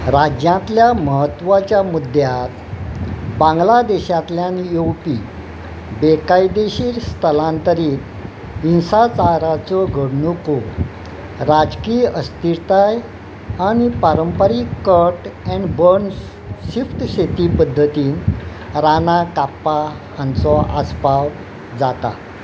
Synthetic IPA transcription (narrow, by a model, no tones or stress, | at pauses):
ɾad͡ʑjãnt̪ljaməɦət̪ːʋat͡ɕjamud̪ʱjat̪ | bãŋɡlad̪eɕat̪ljanjowpi | bekajd̪eɕiːɾst̪ʰəlãnt̪əɾiːt̪ | insat͡saɾat͡sɔɡʱəɽɳuko | ɾad͡zkiəst̪iɾt̪aj | aɽ̃ipaɾəmpəɾiːkəɾʈɛ̃ɳɖbəɾns | ɕifʈ̪ɕet̪ipəd̪ʱːət̪iːn | ɾanakapːa | hant͡sɔʔaspaw | d͡zat̪a̰